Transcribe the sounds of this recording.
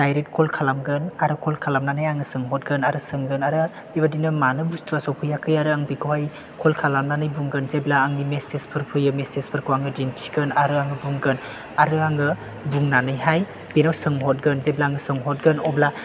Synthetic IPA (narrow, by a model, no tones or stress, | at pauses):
dajɾet̚kʰɔlkʰalamɡɯnaɾɯkʰɔlkʰalamnanɯjaŋɯsɯŋɦɔt̚ɡɯnaɾɯsɯŋɡɯnaɾɯ | bibadinɯmanɯbustʰuasowpʰɯjakʰɯjaɾɯaŋbikʰɯwhaj | kʰɔlkʰalamnanɯjbuŋɡɯnzeblaːŋnimesespʰɯɾpʰɯjɯmesespʰɯɾkʰuwaŋɯdintʰiɡɯnaɾɯaŋɯbuŋɡɯn | aɾɯaŋɯ | buŋnanɯjɦaj | b̥inawsɯŋɦɔt̚ɡɯnzeblaŋɯsɯŋɦɔt̚ɡɯnɔbla